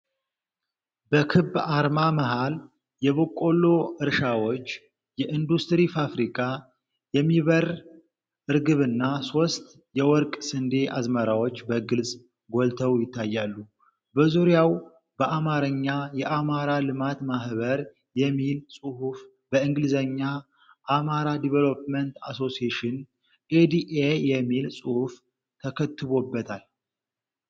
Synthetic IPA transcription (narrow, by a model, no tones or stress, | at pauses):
bəkʰɨbːaɾmaməɦal | jɛβokʼːo̞lːo̞ɨɾʃawo̞t͡ʃː | jɛʔɨnd̪ust̪ɾifafɾikʼa | jɛmːiβəɾ | ʔɨɾɡɨβɨnːaso̞st̪ | jɛwɔɾkʼsɨnd̪e̞ʔazməɾawot͡ʃːbəɡɨlsʼ | ɡo̞lt̪ʰəwjɪt̪ʰːajːalːu | bəzuɾjaw | b̥əʔamaɾəɲːajɛʔamaɾalɨmat̪mahβəɾ | jɛmːilsʼuhuf | bəɨŋɡɨlɨzəɲːa | ʔːmaɾad̪ivelopmənt̪a̰so̞sieʃɪn | ʔed̪iʔejɛmːilsʼuhf | t̪ʰəkʰət̪ːɨβo̞bːət̪ʰal